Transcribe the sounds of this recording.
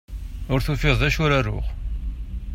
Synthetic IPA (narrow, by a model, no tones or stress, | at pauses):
ʊɾθufɪðˤðæʃʊɾarːʊ̰χ